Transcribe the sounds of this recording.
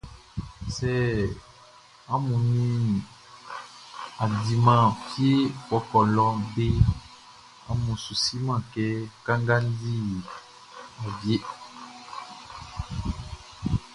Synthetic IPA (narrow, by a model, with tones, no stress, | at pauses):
sɛ˦ | a˦mu˨nĩ˦ | a˨di˨mã˦pi˦e˦kɔ˨kɔ˨lɔ˦be˦ | a˦mũ˨su˨si˦mã˦˨kɛ˦ka˦ŋɡa˦ndi˦ | a˨bje˦